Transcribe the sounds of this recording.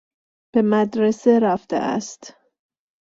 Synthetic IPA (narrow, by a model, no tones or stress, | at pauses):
b̥e̞mæd̪ɾeseɾæft̪ʰḛʔæ̰st̪